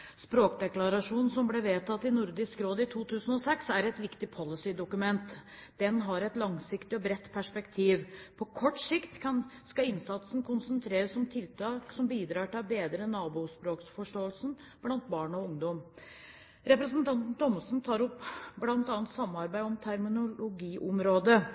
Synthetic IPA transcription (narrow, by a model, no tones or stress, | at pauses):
spɾoːkd̪ɛklɑɾɑʂuːnn̩sɔmbleːʋeːt̪ʰɑt̪ːɪnʊɾd̪ɪskɾoːd̪ɪt̪ʰuːt̪ʰʉːsən̩ɔsɛksæɾɛt̪ʋɪkt̪ɪpʰɔlɪsɪd̪ʊkʉmɛnt̪d̪̥ɛnɦɑɾɛt̪lɑŋsɪkt̪ɪɔbɾɛt̪ːpʰæʂpɛkt̪ʰiːʋpʰɔkʰɔʈːsɪkt̪kʰɑnskɑɪnsɑt̪sn̩kʰʊnsənt̪ʰɾeːɾəsːɔmt̪ʰɪlt̪ɑːksɔmbiːd̪ɾɑːʈɪlbeːd̪ɾənɑːbuːspɾoːksfɔʂʈoːəlsn̩ | b̥lɑnt̪̚bɑːɳɔʊŋd̪ɔm | ɾɛpɾəsnt̪ɑnt̪n̩t̪ʰɔməsn̩t̪ʰɑːɾɔpːblɑnt̪ɑːnt̪sɑmːɑɾbæɪɔmt̪ʰæɾmɪnʊlʊɡiːʔɔmɾoːd̪ə